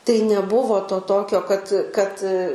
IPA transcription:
tɐɪ nʲɛˈbʊʋoː toː ˈtoːkʲoː kɐt kɐt

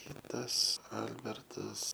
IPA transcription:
ˈkʲɪtɐs ˈɐlʲbʲɛrtɐs

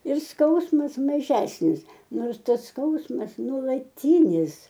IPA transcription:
ɪr ˈskɐʊsmɐs mɐˈʒʲæːsʲnʲɪs ˈnoːrs ˈtɐs ˈskɐʊsmɐs nuɔlˠɐˈtʲiːnʲɪs

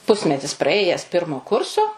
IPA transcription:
ˈpʊsʲmʲɛtʲɪs prɐˈeːjɛs ˈpʲɪrmoː ˈkʊrsoː

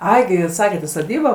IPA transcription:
ˈɐɪ ɡʲɪ ˈjuːs ˈsɑːkʲɛt ɪ soːˈdʲiːboː

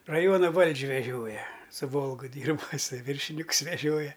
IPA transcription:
rɐˈjuɔnɐ ˈʋɐlʲt͡ʃʲ ʋʲɛˈʒʲoːjɛ sʊ ˈʋoːlˠɡʊ ˈdʲiːrbɐ ɪˈsɐɪ ˈʋʲiːrʲʃʲɪnʲɪkʊs ʋʲɛˈʒʲoːjɛ

